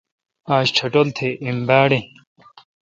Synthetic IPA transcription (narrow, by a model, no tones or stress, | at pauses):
aːɕt͡ɕʰɐʈolt̪ʰeʔimbaːɽe